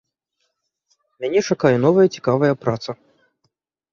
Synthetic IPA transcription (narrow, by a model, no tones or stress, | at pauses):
mʲanʲɛt͡ʂakajɛnɔvɐjɐt͡sʲi̥kavɐjɐpɾat̪sɐ